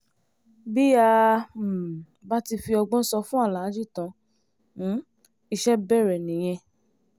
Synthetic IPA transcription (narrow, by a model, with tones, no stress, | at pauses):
bi˦ja˧˨ | ba˦ti˧fi˧ɔ˧ɡ͡bɔ̃˦sɔ˧fũ˦a˦˨la˨˦d͡ʒi˦˨tã˧ | ñ̩˨˦ | i˧ʃɛ˦bɛ˦˨ɾɛ˨nĩ˨˦j̃ɛ̃˧